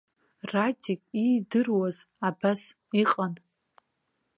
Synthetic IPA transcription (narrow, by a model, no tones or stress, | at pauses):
ratʲikʼidɨrwaz | abas | iqʼan